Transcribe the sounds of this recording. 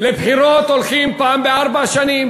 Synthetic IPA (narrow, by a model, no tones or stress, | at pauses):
lepʰiɾoːt̪olxiːmpaːmbeaɾbaʃɐnim